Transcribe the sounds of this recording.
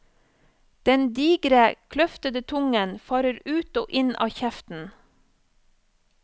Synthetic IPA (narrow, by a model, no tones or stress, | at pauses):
d̪̥ɛnd̪iːɡɾəkʰlœft̪əd̪ət̪ʰʊŋənfɑːɾəɾʉːt̪o̰ːʔɪnɑ̰ːçɛft̪n̩